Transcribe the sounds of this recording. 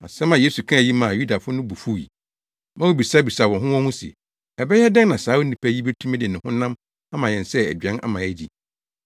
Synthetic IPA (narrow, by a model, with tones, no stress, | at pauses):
a̰˨sɛ̃˦mã˨je˦su˨kʰã˦˨ji˦mã˨ju˦da˨fʊ˦nʊ̃˦bu˨fu˦˨jḭ˨ | mã˦wo˦˨bi˨sa˦bi˨sa˨wɔ̃˨ɦʊ̃˦wɔ̃˦hũ˦sɪ̰˨ | ɛ˨bɛ˦jɛ˦dɛ˦n˦nã˨saː˨˦wo˦nĩ˨pʰæ˦ji˦be˦tʰũ˦mɛ˦dɪ˨nɪ̃˨hʊ̃˦nã˦m | a˦mã˨jɛ̃˨nsɛ˦æ̰˨dɥɛ̃˦nʔa̰˦mã˨ɛ˦d͡ʑi˨